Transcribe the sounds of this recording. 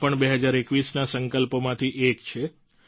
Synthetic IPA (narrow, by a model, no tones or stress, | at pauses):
pəɳbeɦəd͡ʒaɾekʋisnasəŋkəlpomãt̪ʰiʔekt͡ʃʰe